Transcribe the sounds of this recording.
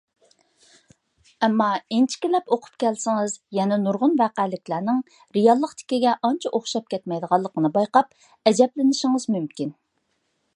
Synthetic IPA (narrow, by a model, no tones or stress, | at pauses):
ɛmːɑent͡ʃʰi̥kʲilɛpoqʰʊ̥p̚kʲʰɛlsɪŋɨzjɛnɛnuɾʁʊnvæːqælɪkʲlæɾnɪŋ | ɾijɑlˠːəqt̪ʰɪ̥kʲiɡʲɛʔɑnt͡ʃʰɛʔoχʃɑp̚kʲʰɛt̪mɛjd̪əʁɑlˠːəqənɨbɑjqɑp̚ | ɛd͡ʒɛplɪnɪʃɪŋɨzmymkʲin